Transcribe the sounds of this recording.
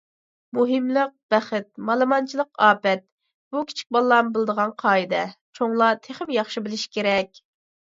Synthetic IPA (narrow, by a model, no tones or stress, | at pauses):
muɦɨmlˠəq̚b̥æχɪt̪̚mɑlˠɨmɑnt͡ʃʰilˠəqɑːpɛt̪̚ | b̥ukʲʰi̥t͡ʃʰi̥k̚ʲbɑlˠːɑmbɨlˠd̪əʁɑnqʰɑːɨd̪ɛt͡ʃʰoŋlˠɑt̪ʰeχɪmjɑχʃibɪlɪʃkʲʰeɾɛkʲ